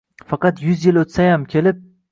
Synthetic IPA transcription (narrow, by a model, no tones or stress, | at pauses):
fɑqɑt̪jʊzjɪlot̪sajamkʲʰe̞lɪp̚